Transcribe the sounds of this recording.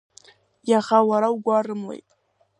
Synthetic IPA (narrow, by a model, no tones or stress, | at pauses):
jaχawaɾawɡʷarɨmlḛjtʼ